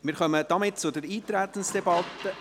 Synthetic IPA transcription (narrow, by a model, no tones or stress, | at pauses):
mɪːɾʁχœməd̥ɑmɪt̚t͡sʊdɛɾiːt̪ɾæt̪ən̩sd̥ɛbɑt̪ːə